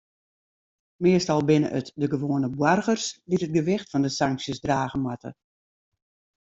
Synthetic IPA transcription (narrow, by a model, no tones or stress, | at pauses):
mɪəstɔlˠbɪnə̰ʔətdəɡəʋoːənəbwarɣərsditət̚ɡəʋɪxtfɔndəsaŋksjəsdraːɣəmatə̰